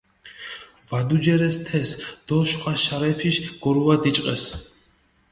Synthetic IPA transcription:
vad̪ud͡ʒɛɾɛst̪ʰɛsd̪̥ɔʃχʰʼaʃaɾɛpʰiʃɡ̥ɔɾuad̪it͡ʃʼqʼɛs

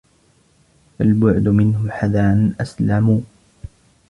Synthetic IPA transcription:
falbʊʕd̪ʊmɪnhʊħaðaːnʔaslamuː

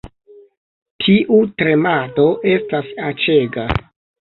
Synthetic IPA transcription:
tʰiʔutɾe̞mato̞ʔe̞stasat͡ʃe̞ɡa

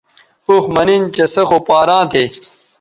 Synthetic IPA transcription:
uxmɐnint͡ɕɐsɐxopaːɾãːt̪ʰeː

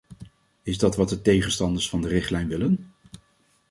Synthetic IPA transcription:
ɪzdɑtʋɑt̚dətejχənstɑndəɹsfɑndərɪχtlɛjnʋɪlən

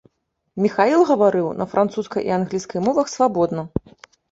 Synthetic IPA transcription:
mʲixailˠɣɐvaɾɨwnɐfɾʔant̪suskɐ̰jʔḭanɣlʲiskɐjmɔvɐxsvabɔd̪nɐ

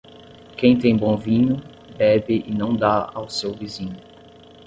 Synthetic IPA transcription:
kẽj̃t̪ẽj̃bõvĩɲʊ | bɛbɪʔɪnɐ̃w̃d̪aawsewvizĩɲʊ

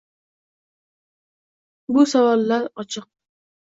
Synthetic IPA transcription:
bʊsavɒlːaɾɒt͡ʃʰɨq̚

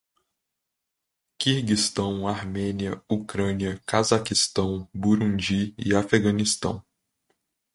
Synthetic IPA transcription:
kihɡist̪ɐ̃w̃ahmẽniɐukɾɐ̃niɐkazakist̪ɐ̃w̃buɾũd͡ʒiḭafeɡɐ̃nist̪ɐ̰̃w̃

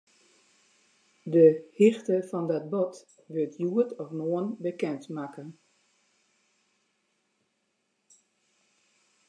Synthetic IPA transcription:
dəhɪxtəfɔndɔt̚bɔt | ʋøltʰjuətɔfnoənbəkɛntmakən

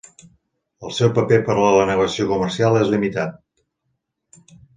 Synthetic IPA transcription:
əlˠsɛwpəpepəɾlələnəɣəsiokuməɾsialˠezlimit̪at̪

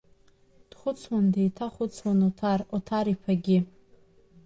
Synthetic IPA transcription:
d̥χʷʊt͡sʰwandejtʰaχʷʊt͡sʰwanotʰarotʰaɾipʰaɡʲɪ

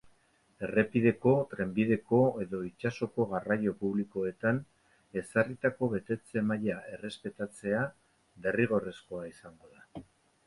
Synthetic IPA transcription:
e̞re̞piðe̞ko̞t̪ɾe̞mbið̞e̞ko̞e̞ðo̞it͡ʃaso̞ko̞ɣarajo̞puβliko̞e̞t̪an | e̞sarit̪ako̞βe̞t̪e̞t͡se̞maʎae̞re̞spe̞t̪at͡se̞a | be̞riɣ̞o̞re̞sko̞aisaŋɡo̞ða

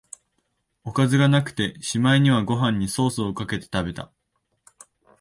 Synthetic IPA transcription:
o̞kazɨɡanakɯ̟̥t̪e̞ɕimaiɲ̟iβ̞aɡo̞ɦãɲ̟ːiso̞ːsɨokake̞t̪e̞̥t̪abe̞t̪a̰

